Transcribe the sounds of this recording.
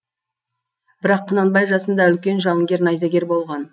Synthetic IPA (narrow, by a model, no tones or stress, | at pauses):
b̥ɪɾɑqʰːənɑnbɑjʒɑsənd̪ɑʏlkʲe̞nʒɑwˠəŋɡʲe̞ɾnɑjzɑɡʲe̞ɾbo̞lˠʁɑn